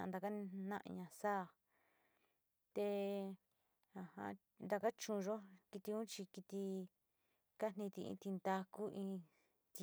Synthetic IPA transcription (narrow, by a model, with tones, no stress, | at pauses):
ã˧nd̪a˧ka˦nã̰˦ʔɲã˧saː˦˨ | t̪e˧ | a˧˨hã̰˧ | nd̪a˧ka˦t͡ʃũ˧ʒo˦ki˧t̪i˧ũ˦t͡ʃi˧ki˧t̪i˧ | ka˦n̥ĩ˧t̪i˧ḭ̃˧t̪i˧nd̪a˧ku˦ʔĩ˧ | t̪i˧